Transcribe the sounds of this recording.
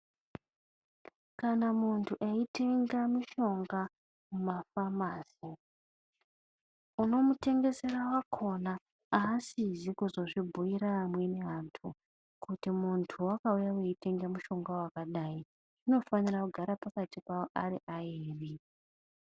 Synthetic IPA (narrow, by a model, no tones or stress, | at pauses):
kanamuntʰuʔeite̞ŋɡamuʃo̞ŋɡa | mumafamaːsi | uno̞mute̞ŋɡe̞se̞rawakʰo̞na | aːsizikuzo̞ʐibʱujiɾaːmwe̞ne̞antʰu | kutimuntʰuwakaujaweite̞ŋɡamuʃo̞ŋɡawakaɗai | ino̞fanirakuɡʱaɾapakatikaoʔariʔaiːri